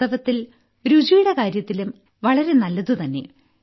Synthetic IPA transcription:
ɐʋɐt̪ːil | ɾud͡ʑijɽɐkaːɾjɐt̪ːilum | ʋɐɭɐɾe̞nɐlːɐðut̪ɐnːe̞̰

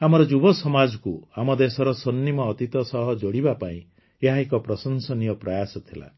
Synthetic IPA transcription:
amɔɾɔd͡ʒubɔsɔmad͡ʒɔkuamɔd̪esɔɾɔsonːimɔːt̪it̪ɔsɔɦɔd͡ʒoɽibapaḭ̃ | eɦaekɔpɾɔsɔnsɔnijɔpɾajasɔt̪ʰila̰

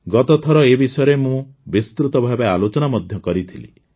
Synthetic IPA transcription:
ɡɔt̪ɔt̪ʰɔɾɔebisɔjɔɾemũbist̪ɾut̪ɔbʱabealot͡ʃɔnamɔd̪ʱjɔkɔɾit̪ʰilḭ

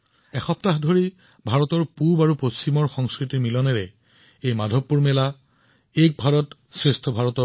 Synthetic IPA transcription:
ɛxɔp̚taxdʱoɹi | bʱaɹɔtɔɹpubaɹupost͡ɕimɔɹxɔŋskɹitiɹmilɔnɛɹɛ | ejmadʱɔpːuɹmɛla | ek̚bʱaɹɔt | sɹestʰɔbʱaɹɔtɔ

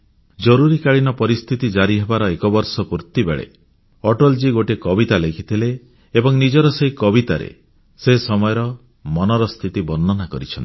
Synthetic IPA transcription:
d͡ʒɔɾuɾikaɭinɔpɔɾist̪ʰit̪id͡ʒaɾiɦebaɾɔekɔbɔɾsɔpuɾt̪ibḛɭḛ | ɔʈɔld͡ʒiɡoʈekɔbit̪alekʰit̪ʰileː | bɔŋnid͡ʒɔɾɔseɦikɔbit̪aɾḛ | sesɔmɔjɔɾɔ | mɔnɔɾɔst̪ʰit̪ibɔnːɔnakɔɾit͡ʃʰɔnt̪i̥

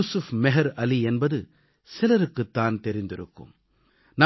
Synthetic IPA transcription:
usʊfmɛɦɐɾɐliɛnbɐðɯ | sɪlɐɾɯkːɯt̪ːaːnt̪ɛɾɪnd̪ɪɾɯ̰kːɯ̰m | nɐ

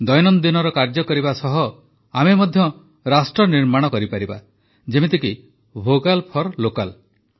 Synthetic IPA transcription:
d̪ɔjnɔnd̪inɔɾɔkaɾd͡ʒɔkɔɾibasɔɦɔ | amemɔd̪ʱjɔ | ɾasʈɾɔniɾmaɽ̃ɔkɔɾipaɾiba̰ | d͡ʒemit̪eki | bʱokalpʰɔɾlokal

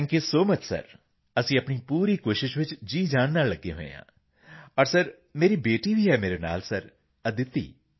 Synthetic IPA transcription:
ŋkesoːmət͡ʃsə̰ɾ | əsĩːəpɳiːpuːɾiːkoːʃɪʃʋɪt͡ʃd͡ʒiːd͡ʒaːnnːaːlləɡːḛːɦo̰ːḛjã̰ː | ɔːɾsəɾ | meːɾiːbeːʈiːbʱiːɦɛːmeːɾeːna̰ːlsəɾ | əd̪ɪt̪ːḭː

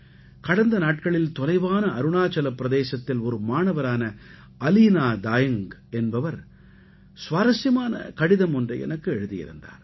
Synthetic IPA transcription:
kɐɽɐnd̪ɐnaːʈ̚kɐɭɪlt̪ɔlɐɪʋaːnɐɐɾɯɳaːt͡ʃɐlɐpːɾɐðeːsɐt̪ːɪlɔɾɯmaːɳɐʋɐɾaːnɐ | ɐliːnaːd̪aːjɐŋɡɛnbɐʋɐɾ | sʋaːɾɐsjɐmaːnɐ̰kɐɽɪðɐmɔndrɐɪɛ̰nɐkːɯɛɻɯðɪjɪ̰ɾɯ̰nd̪a̰ːɾ

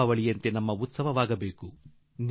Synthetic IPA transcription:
aʋɐɭijɐnt̪e̞nɐmːɐut̪sɐʋɐʋaːɡɐbeːku | n

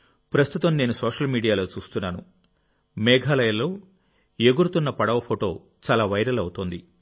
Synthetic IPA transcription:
pɾɐst̪ut̪ɐmne̞ːnusoːʂɐlmiːɽijaːlo̞ːt͡ʃuːst̪unːaːnu | mɛːɡʱaːlɐjɐlːo̞ː | eɡuɾut̪unːɐpɐɽɐʋɐpʰoʈo̞ː | t͡ʃaːlaːʋɐjɾɐlɐwut̪oːnd̪i

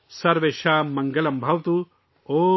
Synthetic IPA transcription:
sɐɾʋeʃaːmːɐŋɡɐlɐmbʱɐʋɐt̪u | oː

